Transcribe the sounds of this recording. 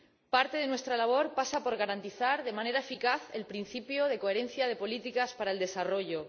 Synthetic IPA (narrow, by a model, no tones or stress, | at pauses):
paɾt̪e̞ðe̞nwe̞st̪ɾalaβ̞o̞ɾpasapo̞ɾɣ̞aɾant̪iθaɾðe̞mãne̞ɾaefikaθelpɾin̟θipjo̞ð̞e̞ko̞eɾe̞nθjað̞e̞po̞lit̪ikaspaɾae̞ld̪e̞saro̞ʝo̞